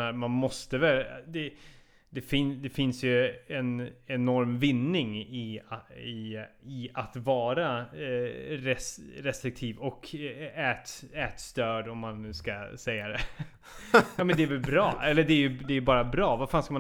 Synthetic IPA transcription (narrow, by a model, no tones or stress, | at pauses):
aɾmanmɔst̪əvɛld̪ɛ | d̪ɛfɪnd̪ɛfɪnsjɵɛnɛnɔɾmvɪnːɪŋɪɪɪat̪vɑːɾa | ɾɛsɾɛst̪ɾɪk̚t̪ʰiːvɔkɛːt̪ɛːt̪st̪øːɖɔmːanːʉ̟ːskasɛjːad̪ɛ | jɑːmɛnd̪ɛæɾvɛlbɾɑːʔɛlːəɖɛːɾjɵd̪ɛːjɵbɑːɾabɾɑːvaɾfaːnskama